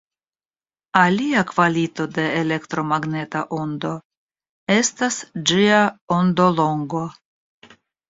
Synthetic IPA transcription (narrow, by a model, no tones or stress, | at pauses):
aliakvalito̞de̞ːle̞ktɾo̞maɡne̞taʔo̞nd̪o̞ | e̞stasd͡ʒiao̞ndo̞lo̞ŋɡo̞